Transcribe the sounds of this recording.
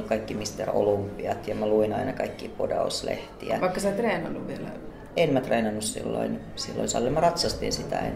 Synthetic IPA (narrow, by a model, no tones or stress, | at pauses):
kɑikːimist̪ero̰lumpːˑiɑt̪jɑmæluinɑinɑkɑikːḭːpodɑ̰uslḛht̪iæ̰ʋɑikkːɑsɑˑt̪reːnɑnːuʋʋielæ̰ | enmæt̪reːnɑnːussḭlːo̰in | silːo̰insɑ̰lːemɑrɑt̪sɑst̪insit̪æ̰n